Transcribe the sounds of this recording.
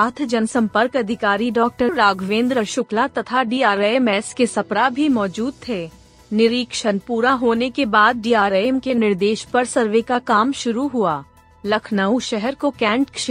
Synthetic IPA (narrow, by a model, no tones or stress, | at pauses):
aːt̪ʰd͡ʒɐnsɐ̃mpəɾkɐd̪ʱɪkaːɾiɖɔːk̚ʈəɾɾaːɡʱʋẽːnd̪ɾəɾʃʊklat̪ɐt̪ʰaɖiːaːɾemɛːskesɐpɾabʱimɔːd͡ʒuːd̪̚t̪ʰeː | nɪɾiːkʃənpuːɾaɦoːnekebaːd̪̚ɖiːaːɾeeːmkenɪɾd̪eːʃpɐɾsɐɾʋekakaːmʃʊɾuɦuaː | lɐkʰnəuʃɛɦɛɾkokɛ̃ːɳʈkʃ